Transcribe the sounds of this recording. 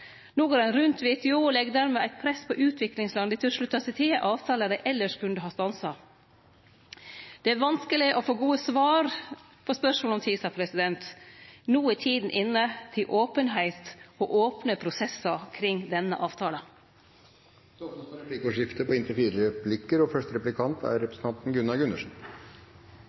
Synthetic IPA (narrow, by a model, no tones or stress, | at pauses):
nuːɡəɾɑnɾʉnt̪ʋeːt̪ʰɛoːlɛɡd̪æɾmeːæɪt̪̚pʰɾɛspʰɔʔʉːt̪ʰʋɪklɪŋslɑnd̪ət̪ʰɪɔʂɭʉt̪ːɑsɪt̪ʰeːʔɑːʋt̪ʰɑːləd̪æɪʔɛlːəʂkʰʉnd̪əɦɑːst̪ɑnsɑ | d̪̥ɛæɾʋɑnskəlɪʔɔfoːɡuːəsʋɑːɾ | pʰɔspœʂmoːɔmt̪ʰiːsɑpʰɾɛsɪd̪ɛnt̪nuːəɪt̪ʰiːd̪n̩ʔɪnːət̪ʰːɪlʔoːpənɦæɪt̪ɔʔoːpnəpʰɾʊsɛsɑkʰɾɪŋːd̪ɛnːə̰ʔɑːʋt̪ʰɑːlə | d̪ɔpnəsɔɾɛplikɔʂɪft̪əpʰɔɪnt̪əfiːɾəəpʰlɪkːəɾɔfœʂtɾɛplɪkʰɑnt̪ʰæ̰ɾɾɛpɾəsən̩t̪ʰɑnt̪n̩ɡʉnɑɡʉnəʂn̩